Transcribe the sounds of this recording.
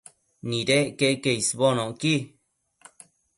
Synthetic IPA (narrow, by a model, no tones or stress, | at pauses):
nĩɾekekeisβonõki